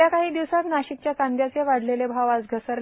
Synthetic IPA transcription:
akaɦiːd̪iʋsak̪naɕik̚t͡ɕjakãnd̪jat͡seʋaɽ̤lelebʱaʋat͡sɡʱəsəɾ

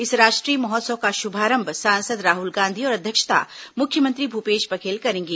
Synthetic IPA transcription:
ɪsɾaːʃʈɾiːmɔɦɔːt̪səʋkaʃʊbʱaːɾə̃mbʱsãːnsəd̪ɾaːɦʊlɡãːnd̪ʱiɔːɾɐd̪ʱjəkʃə̥t̪a̰mʊkʰːjəmə̃nt̪ɾibʱupeːʃpɐkʰeːlkɐɾẽːŋɡeː

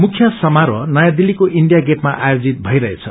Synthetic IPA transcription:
mukʰjʌsʌmaɾwʌnʌjad̪ilːikoʔiɳɖijaɡeʈmaʔajod͡zit̪̚bʱʌiɾʌɦet͡sʰʌ

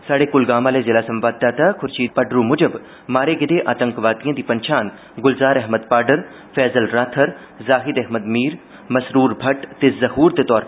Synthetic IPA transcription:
saːɽekʊlɡaːmaːlezɪlaːsɐ̃mʋaːd̪̚d̪aːt̪akʰʊɾt͡ʃiːt̪̚pɐɖɾũmʊd͡ʒəb | maːɾeɡɪd̪eʔaːt̪ə̃ŋkʋaːt̪ijãːd̪ipɐɲt͡ʃaːn | ɡʊlzaːɾɛɦməd̪̚paːɾɖəɾ | fɛːzəlɾaːt̪ʰəɾ | zaːɦɪd̪ɛɦməd̪miːɾ | mɐsɾuːɾbʱɐʈt̪ezɐɦuːɾt̪et̪ɔːɾ

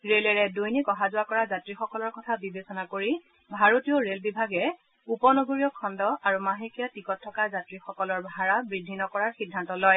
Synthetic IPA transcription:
ɹelɛɹɛdojnikɔɦazʊwakɔɹazatɹixɔkɔlɔɹkɔtʰabibesɔnakoɹi | bʱaɹotioɹelbibʱaɡɛ | upɔnoɡoɹijɔkʰɔndɔʔaɹumaɦekijatikɔtʰːɔkazatɹixɔkɔlɔɹbʱaɹabɹidʱːinɔkɔɹaɹxidʱːantɔlɔj

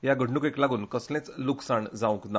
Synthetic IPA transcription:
jaɡəɽɳukeklaɡuːnkəslẽt͡sluksaɳd͡zaʋũŋkna

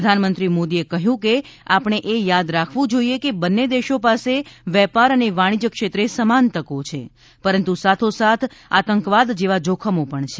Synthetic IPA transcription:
əd̪ʱanmənt̪ɾimod̪iekəɦjũkeapɳ̃eʔejad̪ɾakʰʋũd͡ʒoijekebənːed̪eʃopaseʋɛpaɾəneʋaɽ̃id͡ʒəkʃet̪ɾesəmant̪əkot͡ʃʰḛ | pəɾənt̪usat̪ʰosat̪ʰa̰t̪əŋkʋad̪d͡ʒeʋad͡ʒokʰəmõpəɳt͡ʃʰe

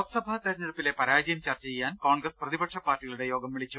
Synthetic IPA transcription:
ot̪sɐbʱɐt̪ɐɾɐnːɐɭupːilepɐɾaːd͡ʑɐjɐmt͡ɕɐːrt͡ɕːt͡ɕejːaːnkoːɳɡrɐsprɐðibɐkʂɐpaːrʈːiɣɐɭuɽe̞jo̞ːɡɐmʋiɭit͡ɕːu

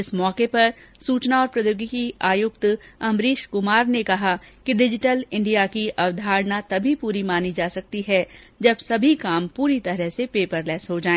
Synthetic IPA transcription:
ɪsmɔːkepɐɾsuːt͡ʃnaɔːɾpɾɐjoːɡikiaːjʊk̚t̪ɐ̃mɾiːʃkʊmaːɾnekɐɦakiɖɪd͡ʒɪʈəlɪ̃ɳɖijakiʔɐʋd̪ʱaːɾnat̪ɐbʱipuːɾimaːnid͡ʒaːsɐk̚t̪iɦɛ | d͡ʒɐbsɐbʱikaːmpuːɾit̪ɐɾɛɦsepeːpəɾlɛːsɦod͡ʒaːẽː

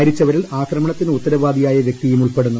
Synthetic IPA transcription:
ɾit͡ɕːɐʋɐɾilaːkɾɐmɐɳɐt̪ːinut̪ːɐɾɐʋaːd̪ijaːjɐʋje̞k̚t̪ijumuɭpe̞ɽunːɐ

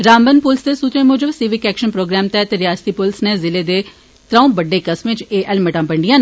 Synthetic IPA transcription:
ɾãːmbənpʊlsd̪eːsuːt̪ɾẽːmʊːd͡ʒəbsiːʋɪkɛːkʃənpɾoːɡɾɛːmt̪ɛːt̪eːɾɪjaːst̪iːpʊlsneːzɪleːd̪eː | t̪ɾaũːbəɖːeːkəsmẽt͡ʃeːʔɛlməʈãːpəɳɖijãː

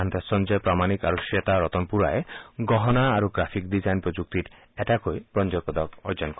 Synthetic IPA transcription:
ant̪esɔnd͡ʒɔpɾamanika̰ɾuʃiɔt̪aɾɔt̪ɔnpuɾaeɡɔɦɔnaːɾuɡɾapʰikdizajnpɾɔd͡ʒuk̚t̪iɾ | ɛʈakojpɾɔnd͡ʒɔkɔd̪ɔkɔɾd͡ʒɔnkɔ

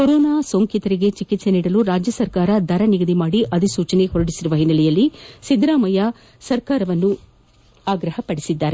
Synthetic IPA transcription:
koɾoːnaːsoŋkit̪ɐɾiɡe̞t͡ʃikit̪se̞niːɽɐluɾaːd͡ʒjɐsɐɾkaːɾɐd̪ʱɐɾɐniɡɐd̪imaːɽiʔɐd̪isuːt͡ʃɐne̞hɔɾɐɽisiɾuʋɐɦinːɐlɛjɐlːisid̪ɾaːmɐja | sɐɾkaːɾɐʋɐnːu | aːɡɾɐhɐpɐɽisid̪ːaːɾe

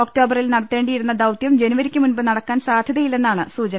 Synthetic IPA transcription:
oːkʈo̞ːbɐrilnɐɽɐt̪ːe̞ːɳɖijiɾunːɐd̪ɐwt̪jɐmd͡ʑe̞nuʋɐɾikʲːɨmunbɨnɐɽɐkːaːnsaːd̪ʱjɐðɐjile̞nːaːɳɨsuːt͡ɕɐnɐ

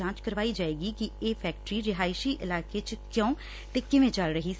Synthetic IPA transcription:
ãːt͡ʃkəɾʋaːid͡ʒaːeːɡikieːpʰɛːk̚ʈɾiɾɪɦaːɪʃiʔɪlaːket͡ʃkjõː | t̪ekɪʋẽt͡ʃəlɾəɦi

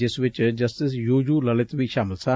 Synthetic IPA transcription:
ɪsʋɪt͡ʃd͡ʒɐstɪs̬juːjuːlɐlɪt̪bʱiʃaːmɪlsa

